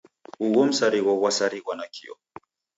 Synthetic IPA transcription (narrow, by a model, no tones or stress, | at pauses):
uɣɔm̩saɾiɣɔɣwasaɾiɣwanakʰḭɔ̰